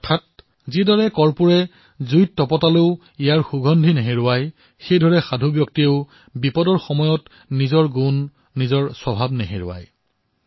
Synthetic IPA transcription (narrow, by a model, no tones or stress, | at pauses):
ɔtʰat̚ | zidɔɹɛkɔɹpuɹɛ | zujtːɔpɔtaleʊ | ijaɹxuɡɔndʱineɦeɹʊwaj | xejdʱɔɹɛxadʱubjɔk̚tieʊ | bipɔdɔɹxɔmɔjɔt | nizɔɹɡunː | izɔɹsɔbʱabneɦeɹʊ̰wa̰j